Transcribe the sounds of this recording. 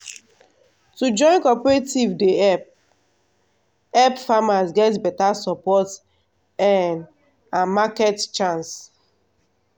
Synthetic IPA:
tud͡ʒɔ̃ɪ̃nkɔpɛɹetivdeɛp̚ | ɛpfamasɡɛtbɛtasɔpɔt | ɛn | ãmakɛtt͡ʃãns

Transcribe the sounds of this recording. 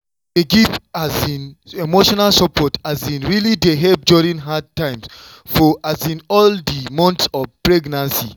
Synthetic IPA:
deɡivazĩnemoʃɔnalsɔpʰɔtʰazĩnɹilideɦɛp̚djuɹĩŋɦad̚tʰãɪ̃ms | fɔʔazĩnɔldimɔ̃ntsɔvpɹɛɡnãnsḭ

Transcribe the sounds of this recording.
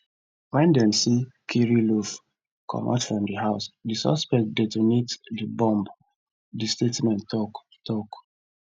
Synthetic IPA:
wɛ̃ndɛ̃msikʰiɹiluv | kʰɔ̰mʔa̰tfɹɔ̃mdihaʊsdisɔ̰spɛk̚t̚dɛtunitdibɔ̃mb | distetmɛ̃ntɔk | tʰɔk

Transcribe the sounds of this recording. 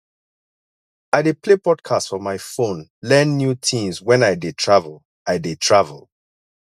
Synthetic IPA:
aɪdeplepɔdkʰastfɔmaɪfõnlɛ̃nːjutʰĩmswɛ̃naɪdetʰɹavəl | aɪdetʰɹavə̰lˠ

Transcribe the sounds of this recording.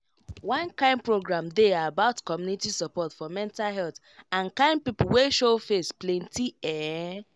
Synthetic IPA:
wãnkãɪ̃npɹoɡɹãmdeabaʊtkɔmjunitisɔpɔtfɔmɛ̃ntalɦɛlθ | ãnkãɪ̃nd̚pipuweʃofesplẽntiɛ

